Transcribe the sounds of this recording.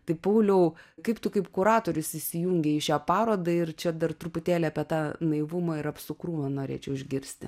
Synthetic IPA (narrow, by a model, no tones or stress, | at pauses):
t̪ɐɪpɐʊlʲɛʊkɐɪpt̪ʊkɐɪpkʊɾɑːt̪oːɾʲʊsɪʃʲsʲɪjuŋʲɡʲɛɪʃʲæːpɑːɾoːd̪ɐɪrt͡ʃʲɛd̪ɐrt̪ɾʊpʊt̪ʲæːlʲɛɐpʲɛt̪ɑːnɐɪʋumɐɪɾɐpsʊkruːʋɐnoːɾʲḛːt͡ʃʲɛʊɪʒʲɡʲɪɾʲsʲt̪ʲɪ